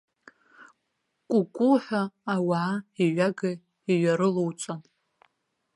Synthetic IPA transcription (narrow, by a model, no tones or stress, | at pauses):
kʷʼʊkʷʼuħaːwaʕaiɥaɡɨ | iɥaɾɨlowt͡sʷʼan